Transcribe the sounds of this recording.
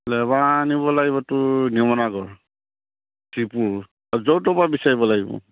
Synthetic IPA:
lɛbaniβɔlaɡiβɔtʊniɔmɔnaɡɔɹ | sipuɹ | zɔwtɔpabisaɹibɔlaɡibɔ̰

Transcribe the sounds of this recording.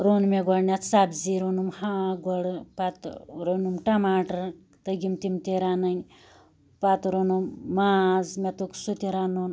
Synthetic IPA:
ɾonmeɡɐɽnʲat͡s̪sabziɾonumhãɡɐɽpat̪ɾonumʈɐmaːʈɐɾ | t̪ɐɡimt̪imt̪iɾanɐj | pat̪ɾonumːaːzmet̪oksut̪ʲiɾanon

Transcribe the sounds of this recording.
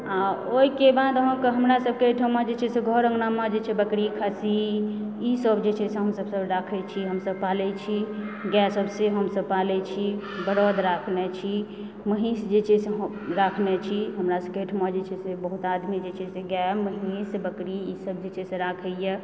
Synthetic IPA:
aoikebad̪ɦəmkɦəmɾasəb̚keeʈʰəmad͡ʒet͡ʃʰɛseɡʱɔɾə̃ŋɡnamad͡ʒet͡ʃʰɛbəkɾikʰasiisəbd͡ʒet͡ʃʰɛseɦəmsəbsəbɾakʰɛt͡ʃʰiɦəmsəb̚palɛt͡ʃʰiɡɛsəbseɦəmsəb̚palɛt͡ʃʰi | bəɾɔd̪ɾakʰnɛt͡ʃʰi | məɦĩsd͡ʒet͡ʃʰeseɦ | ɾakʰnɛt͡ʃʰiɦəmɾasəb̚keːʈʰmad͡ʒet͡ʃʰɛsebəɦut̪ad̪mid͡ʒet͡ʃʰɛseɡɛməɦisbəkɾiisəb̚d͡ʒet͡ʃʰɛsẽɾakʰəjɛ

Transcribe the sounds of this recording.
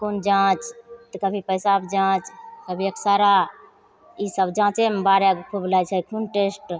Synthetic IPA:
kond͡ʒãt͡ʃt̪əkəbʱipəjsabd͡ʒãt͡ʃkəbʱiəksaɾa | isəbd͡ʒãt͡ʃemebaɾeɡkʰublajt͡ʃʰɛkʰunʈesʈ

